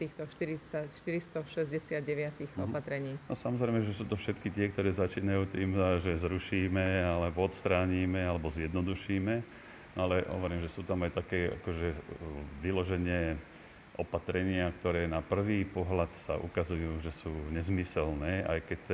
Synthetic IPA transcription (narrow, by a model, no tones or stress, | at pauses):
t̪iːxt̪ɔʃt̪iɾit͡sacʃt̪iɾist̪ɔʃɛzɟɛsɪad̪ɟɛʋɪat̪iɣɔpat̪ɾɛɲiːnɔsamɔzɾɛɪmɛʒɛsuːt̪ɔfʃɛt̪kit̪ɪɛk̚t̪ɔɾɛːzat͡ʃiːnajuːt̪iːmʒɛzɾuʃiːmɛalɛbɔɔt̪st̪ɾaːɲiːmɛalɛbɔzjɛd̪nɔd̪uʃiːmɛ | nɔalɛɦɔ̰ʋɔɾiːmʒɛsuːt̪amajt̪akɛːa̰kɔʒɛʋilɔʒɛɲɪɛ | ʔɔpat̪ɾɛɲɪakt̪ɔɾɛːnapr̩ʋiːpɔɦlat̪sa̰ʔṵkazujuːʒɛsuːɲɛzmisɛlnɛːʔa̰jkɛc